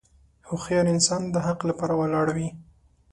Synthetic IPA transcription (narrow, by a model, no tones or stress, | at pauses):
hʊxjɑɾɪnsɑnd̪əɦaqlapɑɾawalɑɽawi